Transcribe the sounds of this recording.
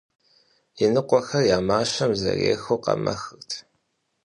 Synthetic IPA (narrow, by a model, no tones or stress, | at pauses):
jɛnɨqʷɔxɐrjaːmaːɕɐmzɐ̰rḛːxoːqɐ̰mɐ̰xɨrtʰ